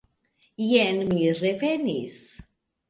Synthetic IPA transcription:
jɛnmirɛvɛnis

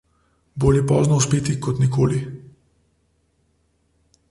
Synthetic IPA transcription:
boːljɛpɔːznɔuspeːt̪ikɔt̪nikoːli

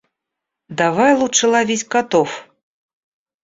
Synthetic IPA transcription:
d̪avajlˠut͡ʂɨlˠavʲesʲkat̪ɔf

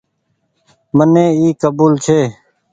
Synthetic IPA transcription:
mənẽːiːkəbuːlt͡ʃʰeː

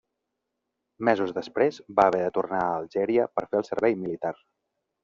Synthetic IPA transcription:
mɛzuzðəspɾezbaəβɛðət̪urnaəːlˠʒɛɾiəpəɾfeəlˠsəɾβɛjmilit̪ar

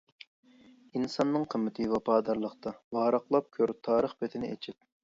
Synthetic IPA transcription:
insɑnːɨŋqʰəmːɪt̪ʰɨvɑpʰɑːd̪ɑɾlˠəqt̪ʰɑwɑːɾɑqlˠɑp̚kʲʰøɾt̪ʰɑːɾəχpɛt̪ʰɪnɪɛ̰t͡ʃʰɪp̚

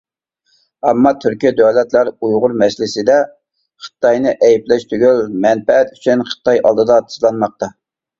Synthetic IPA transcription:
ɛmːɑt̪ʰyɾkʲid̪ɛlɛt̪læɾujʁʊɾmɛslɪsɪd̪ɛ | χə̥t̪ːɑjnɨʔɛjiplɛʃt̪ʰyɡʲylmɛnpɛɛt̪y̥t͡ʃʰynχə̥t̪ʰɑjʔɑ̰lˠd̪ɨd̪ɑt̪ʰɨ̥slˠɑnmɑq̚t̪ɑ

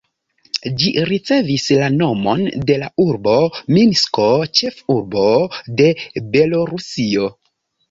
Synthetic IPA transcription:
d͡ʒiɾit͡se̞vislano̞mo̞nde̞lauɾbo̞minsko̞t͡ʃe̞fuɾbo̞de̞be̞lo̞ɾusio̞

